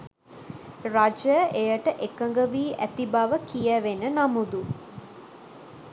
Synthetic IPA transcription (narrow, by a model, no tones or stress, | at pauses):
rad͡ʒəʔejəʈəʔekəŋɡəʋiːʔæ̰t̪ibaʋəkijəʋenənamud̪u